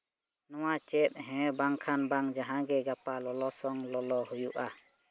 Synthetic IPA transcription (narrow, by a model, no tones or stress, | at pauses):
nɔwat͡ʃɛp̚ɦɛ̃baŋkʰanbaŋd͡ʒaɦãɡɛɡapalɔlɔsɔŋlɔlɔhujuʔa